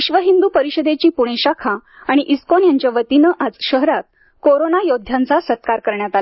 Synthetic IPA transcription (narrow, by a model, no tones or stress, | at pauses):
iɕʋəɦind̪uːpəɾiɕəd̪et͡ɕiːpuɽ̃eɕakʰa | aɽ̃iʔiskonjaɲt͡ɕjaʋət̪inəʔad͡zɕəɦɾat̪̚ | koɾonajod̪ʱjãnt͡sasət̪̚kaɾkəɾɳjat̪al